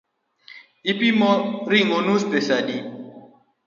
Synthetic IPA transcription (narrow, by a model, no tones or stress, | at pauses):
ipimɔɾiŋonuspesadi